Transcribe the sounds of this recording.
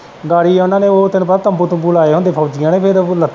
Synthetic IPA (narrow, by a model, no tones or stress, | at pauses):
ɡaːɽiːʊnãːneːoːt̪ɪnpəɾat̪əmbuːt̪ũːbuːlaːeːɦõnd̪eːpʰəʋd͡ʒɪjãːneːpʰɪɾlət̪ʰː